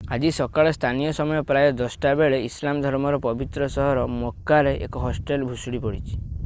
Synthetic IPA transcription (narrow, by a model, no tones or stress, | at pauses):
ad͡ʒisɔkaɭɔst̪ʰanijɔsɔmɔjɔpɾajɔd̪ɔsʈabeɭeislamɔd̪ʱɔɾmɔɾɔpɔbit̪ɾɔsɔɦɔɾɔmokːaɾeʔḛkɔɦɔsʈelbʱusuɽipɔɽit͡ʃʰi̥